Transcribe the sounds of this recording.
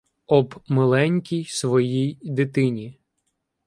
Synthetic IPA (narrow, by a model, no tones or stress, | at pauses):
ɔbmelˠɛnʲkʲijsʋɔjijd̪ɪt̪ɪnʲi